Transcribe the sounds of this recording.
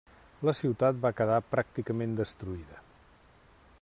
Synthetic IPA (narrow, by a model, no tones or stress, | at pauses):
ləsiwt̪at̪̚bakəðapɾak̚t̪ikəmend̪əst̪ɾuiðə